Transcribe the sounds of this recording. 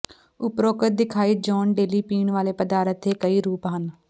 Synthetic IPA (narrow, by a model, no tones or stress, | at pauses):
ʊpɾoːkət̪̚d̪ɪkʰaːiːd͡ʒɔːnɖeːliːpiːɳʋaːleːpəd̪aːɾət̪ʰːeːkəiːɾuːpɦən